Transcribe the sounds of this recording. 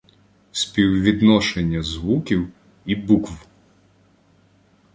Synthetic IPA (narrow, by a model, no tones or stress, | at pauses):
sʲpʲiwʋʲid̪nɔʃenʲːɐzʋukʲiw | ibukʋ